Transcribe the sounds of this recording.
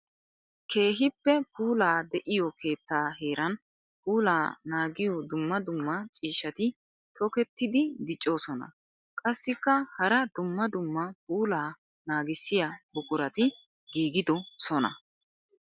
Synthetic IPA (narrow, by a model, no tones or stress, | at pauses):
kʰe̞ːɦɪpːɛpuːlaːd̪ɛʔɪjɔkʰe̞ːt̪ːaːhe̞ːɾɐn | puːlaːnaːɡɪjɔd̪ʊmːɐd̪ʊmːɐt͡ʃʼiːʃɐt̪ɪ | t̪ʰɔkɛt̪ːɪd̪ɪd̪ɪt͡ʃʼːo̞ːsɔnɐ̰ | kʼɐsːɪkːɐhɐɾɐd̪ʊmːɐd̪ʊmːɐpuːlaː | naːɡɪsːɪjabʊkʼʊɾɐt̪ɪ | ɡiːɡɪd̪ɔsɔnɐ̰